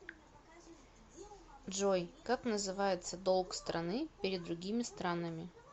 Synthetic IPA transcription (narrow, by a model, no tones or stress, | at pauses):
ʐojkaknəzɨvajɪt̪səd̪olˠkst̪ɾɐnɨpʲɪɾʲɪd̪ːɾʊɡʲimʲɪst̪ɾanəmʲɪ